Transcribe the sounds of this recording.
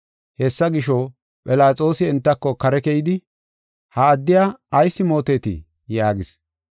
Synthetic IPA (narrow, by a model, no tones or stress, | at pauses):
hɛsːɐɡɪʃɔ | pʼɪlaːt͡sʼo̞ːsɪɛnt̪ːɐkːɔkɐɾɛkɛjɪd̪ɪ | hɐːd̪ːɪjaːɐjsːɪmo̞ːt̪eːt̪ɪ̰ | jaːɡɪs